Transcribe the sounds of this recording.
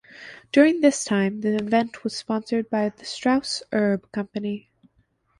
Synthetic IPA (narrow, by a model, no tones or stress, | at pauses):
d̥ʊɹɪ̃ŋðɪstʰãɪ̃mðiɨ̃vɛ̃nʔ̚ʰwʌz̥spɑ̃nsə˞d̚baɪðɨstɹ̥aʊsʔɜ˞b̥̚kʰʌ̃mpɨni